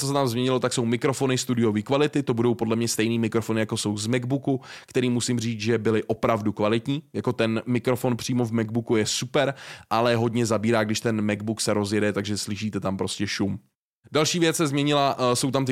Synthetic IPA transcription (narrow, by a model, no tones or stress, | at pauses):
t͡sosɛt̪amzmɲɛɲɪlo̞t̪akso̞wmɪkɾo̞fo̞nɪst̪udɪjo̞viːkvalɪt̪ɪt̪o̞budo̞wpodlɛmɲɛst̪ɛjniːmɪkɾofonɪjako̞so̞wzmɛɡbukukt̪ɛɾiːmusɪmr̝iːt͡sʒɛbɪlɪʔo̞pɾavdukvalɪt̪ɲiːjako̞t̪ɛnmɪkɾo̞fo̞npr̥iːmo̞vmɛɡ̚bukujɛsupɛɾʔalɛɦo̞dɲɛzabiːɾaːɡdɪʃt̪ɛnmɛɡ̚buksɛɾo̞zjɛdɛt̪aɡʒɛslɪʃ̬iːt̪ɛt̪ampɾo̞scɛʃum | dalʃiːvjɛt͡ssɛzmɲɛɲɪlaso̞wt̪amt̪ɪ